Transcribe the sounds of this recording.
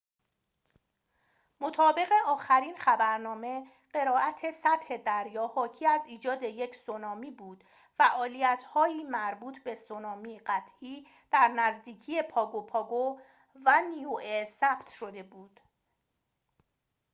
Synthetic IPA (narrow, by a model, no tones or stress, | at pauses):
mo̞t̪ʰɒːbe̞ɣe̞ʔɒːxæɾiːnxæbæɾnɒːme̞ | ɢe̞ɾɒːæt̪ʰe̞sæt̪he̞d̪æɾjɒːhɒːcʰiːæziːd͡ʒɒːd̪e̞je̞cʰsonɒːmiːbuːd̪̥ | fæʔɒːlijæt̪ʰhɒːjiːmæɾbuːt̪ʰbe̞sonɒːmiːɢæt̪ʰʔiː | d̪̥æɾnæzd̪iːcʰiːje̞pʰɒːɡopʰɒːɡo | væniuʔesæb̥t̪ʃo̞d̪e̞buːd̪̥